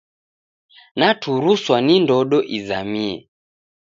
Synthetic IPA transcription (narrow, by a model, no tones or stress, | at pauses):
natuɾuswanindɔɗɔʔizamiɛ̰